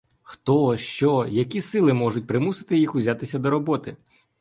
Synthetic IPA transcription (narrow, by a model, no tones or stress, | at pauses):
xt̪ɔʃt͡ʃɔjɐkʲisɪlˠɪmɔʐʊt̚ʲpɾɪmusɪ̥t̪ɪjixʊzʲat̪ɪsʲɐd̪ɔɾɔbɔt̪ɪ